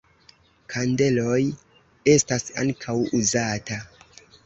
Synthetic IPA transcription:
kʰande̞lo̞j | e̞stasa̰ŋkʰawuzata

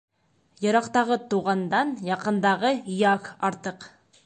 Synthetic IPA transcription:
jɤ̆ɾɑqt̪ɑʁɤt̪uʁɑnd̪ɑnjɑqɤ̆nd̪ɑʁɤijɑkɑɾt̪ɤq

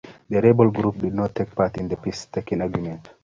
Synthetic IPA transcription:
ðəɾebəlɡɹup̚didⁿnɔtʰːek̚patĩnd̪əpistʰekĩŋaɡɹumɛ̃nt

